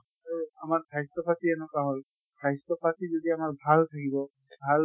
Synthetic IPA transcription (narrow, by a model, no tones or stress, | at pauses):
aɹuamaɹbʱajstɔpatiɛnɔkaɦol | bʱajstɔpatʰizodiamaɹbʱalt̪ʰakibɔ | bʱal